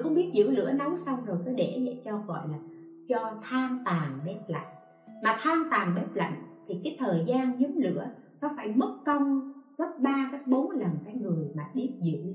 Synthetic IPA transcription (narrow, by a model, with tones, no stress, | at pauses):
xə˧wŋ͡mɓi˦˥ət̚zɨ̰˧˨əwlɨ̰˧˥ənə˨˦wsa˧wŋ͡mzo˨˩jkə˨˦ɗe˧˩zə̰˧˥t͡ɕɔ˧ɣɔ̰˧˨jlaː˨˩ | t͡ɕɔ˧t̪ʰaː˧nt̪aː˨˩ŋɓe˦˥p̚la̰˧˨jŋ̟ | maː˨˩t̪ʰaː˧nt̪aː˨˩ŋɓe˦˥p̚la̰˧˨jŋ̟t̪ʰi˨˩kaː˨˦jt̪ʰəː˨˩jzaː˧nɲɨ˨˦mlɨ̰˧˥ənɔ˨˦faː˧˩jmə˦˥t̚kə˧wŋ͡mɣə˦˥t̚ɓaː˧kaː˨˦jɓo˨˦nlə˨˩nkaː˨˦jŋɨ˨˩əjmaː˨˩ɗi˦˥əp̚zɨ̰˧˩˨w